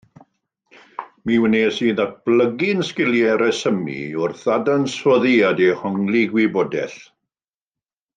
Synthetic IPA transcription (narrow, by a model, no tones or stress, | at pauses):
miwənesiːðat̚b̥ləɡɪnskɪljɛɾɛsəmḭʊrθadanswɔðiadɛhɔŋlˠiɡwɪbɔːdɛ̰θ